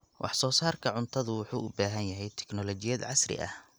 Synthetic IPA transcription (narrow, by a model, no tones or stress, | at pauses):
wʔɑ̰ħsɔːsaːrkʰɐʕʊnt̪ʰɐðʊwʊħuːʔʊbaːɦɐnjɐɦɛjt̪ʰɛ̥knɔlɔt͡ʃɪjɐd̪ʕɑsrɪ̰ʔɐ̰h